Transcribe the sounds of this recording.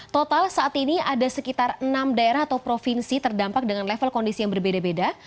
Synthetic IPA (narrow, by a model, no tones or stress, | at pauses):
t̪ot̪alsaʔːt̪iniadasəkit̪arənamdaeɾaɦat̪awpɾofinsit̪ərdampak̚dəŋanlefəlkɔndisijaŋbərbedabeda